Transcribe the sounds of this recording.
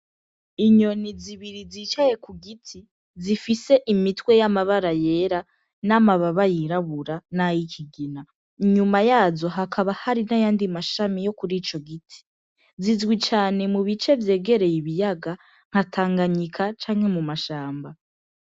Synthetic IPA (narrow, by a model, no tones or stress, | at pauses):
iɲo̞niziβiɾiziːt͡ʃaje̞kuɡitʰi | zifise̞ʔimitwe̞jamaβaɾaje̞ːɾa | namaβaβajiɾaβuɾanajikʰiɡina | iɲumajaːzo̞ɦakʰaβahaɾinajaːndimaʃamijo̞kuɾiːt͡ʃo̞ɡitʰi̥ | zizɡwit͡ʃaːne̞muβit͡ʃe̞vje̞ːɡe̞ɾe̞jiβijaɡa | ŋ̥hatʰaːŋɡaɲikʰat͡ʃaːŋhe̞mumaʃaːmba